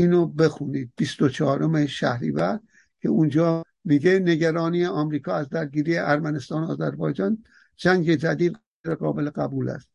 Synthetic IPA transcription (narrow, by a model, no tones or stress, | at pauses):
iːnobe̞xuniːd̪̥̚bist̪ot͡ʃʰɒːɾomeʃæ̰hɾḭːvæɾd | kʲʰe̞̰und͡ʒɒː | miːɡene̞ɡæɾɒːniːjeʔɒmɾiːkʰɒːæzd̪æɾɡiːɾiːeʔæɾmænest̪ɒːnoɒ̰ːzæɾbɒːjd͡ʒɒːn | d͡ʒæŋɡed͡ʒæd̪iːd̪ | ɾeɡɒ̰ːbeleɣæbuːlæ̰st̪